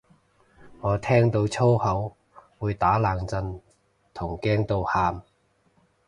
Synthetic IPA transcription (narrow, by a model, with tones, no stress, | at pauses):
ŋɔː˨˧t̪ʰɛː˥ŋt̪o˧wt͡sʰo˥whɐ˨˥w | wuː˨˧jt̪aː˨˥laː˨ŋt͡sɐ˧n | t̪ʰʊ˨˩ŋkɛː˥ŋt̪o˧whaː˧m